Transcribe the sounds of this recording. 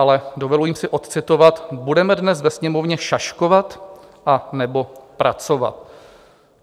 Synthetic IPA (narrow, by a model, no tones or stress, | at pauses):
alɛdovɛlujiːmsɪʔo̞t̪t͡sɪt̪o̞vat̪budɛmɛdnɛsvɛsɲɛmo̞vɲɛʃaʃko̞vat̪ | ʔanɛbo̞pɾʔa̰t͡so̞va̰t̪̚